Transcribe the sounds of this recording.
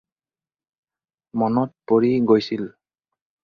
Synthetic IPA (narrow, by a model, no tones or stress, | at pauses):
mɔnɔt̚poɹiɡojsil